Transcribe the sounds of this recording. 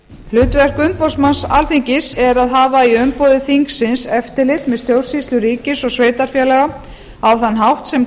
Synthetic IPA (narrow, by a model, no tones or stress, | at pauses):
flʏːt̪vɛr̥kʏmpɔsmansa̰lθiɲcɪsɛɾaðɦaːvaiʏmpoːwðɪθiŋksɪnsɛft̪ɪɾlɪt̪mɛðst̪jowr̥sist̪lʏɾiːcɪsɔɣsveːjt̪aɾ̥fjɛːlaɣa | awθanːɦawht̪sɛm